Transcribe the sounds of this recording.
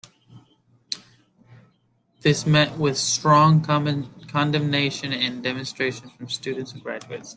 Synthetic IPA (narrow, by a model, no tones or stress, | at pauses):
ðɪsmɛʔwɪð̥stɹ̥ɔ̃ŋkʰɑ̃ndɨ̃mneɪʃɨ̃nɨ̃ndɛmɨ̃nstɹ̥eɪʃɨ̃nfɹʌ̃mstʉdⁿn̩tsnɡɹæ̰d͡ʒʉɨts